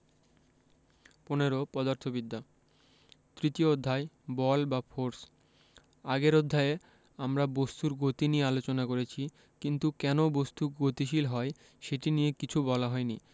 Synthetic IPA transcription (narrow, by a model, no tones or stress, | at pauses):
poneɾopɔd̪aɾt̪ʰobid̪ːa | t̪ɾit̪iood̪ʱːae | bɔlbafʰoɾs | aɡeɾod̪ʱːae | amɾabost̪uɾɡot̪inijealot͡ɕonakoɾet͡ɕʰi | kint̪ukɛnobost̪uɾɡot̪iʃilɦɔe | ʃeʈinijekit͡ɕʰubɔlaɦɔeni